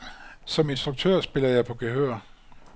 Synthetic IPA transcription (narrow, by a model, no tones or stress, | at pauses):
sɒ̽me̝nsd̥ʁuɡ̥̚t͡sʰø̰ɐ̰sb̥e̝lɐjɑ̈ɪpʰɒ̽ɡ̥eɦøɐ̰